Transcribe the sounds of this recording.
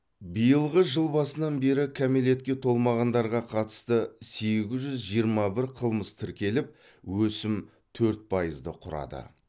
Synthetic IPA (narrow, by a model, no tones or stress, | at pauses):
bijəlˠʁəʒəlˠbɑsənɑnbe̞ɾɪkʲʰæmele̞t̪̚kʲe̞t̪ʰo̞lˠmɑʁɑnd̪ɑɾʁɑqʰɑt̪ə̥st̪əse̞ɡʲɪzʒʏzʒijəɾmɑbɪɾqʰəlˠməst̪ʰɪɾkʲe̞lɪp̚ | wɵsɪm | t̪ʰɵɾt̪̚pʰɑjəzd̪əqʰʊɾɑ̰d̪ə̰